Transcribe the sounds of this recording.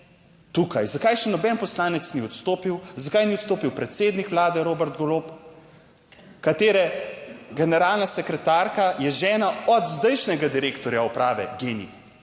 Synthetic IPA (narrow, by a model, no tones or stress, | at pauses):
t̪ukajzakajʃɛnɔbɛnpɔslaːnɛt̪sniɔt̪st̪oːpiwzakaːjniɔt̪st̪oːpiwpɾɛt̪seːd̪nikʋlaːd̪ɛɾoːbɛɾt̪ɡɔloːp | kat̪eːɾɛɡɛnɛɾaːlnasɛkɾɛt̪aɾkajɛʒɛːnaɔd̪zd̪ɛjʃnɛɡad̪iɾeːkt̪ɔɾjaupɾaːʋɛ̰ɡeːnḭ